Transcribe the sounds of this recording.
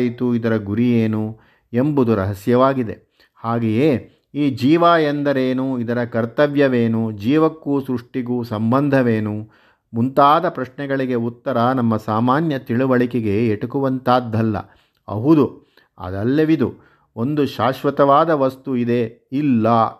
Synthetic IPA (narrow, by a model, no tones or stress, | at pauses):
jit̪uid̪ɐɾɐɡuɾijeːnu | embud̪uɾɐ̰ɦɐsjɐʋaːɡid̪ḛ | haːɡejeː | iːd͡ʒiːʋaːend̪ɐɾeːnuid̪ɐɾɐkɐɾt̪ɐʋjɐʋeːnud͡ʒiːʋɐkːuːsɾuʂʈiɡuːsɐmbɐnd̪ʱɐʋeːnu | munt̪aːd̪ɐpɾɐʃnɛɡɐɭiɡeut̪ːɐɾɐnɐmːɐsaːmaːnjɐt̪iɭuʋɐɭikɛɡe̞ːʈukuʋɐnt̪aːd̪ːɐlːɐ̰ | ɐ̰ɦud̪u | ɐ̰d̪ɐlːeʋid̪u | o̞nd̪uʃaːʃʋɐt̪ɐʋaːd̪ɐʋɐst̪uid̪e̞ | ilːɐ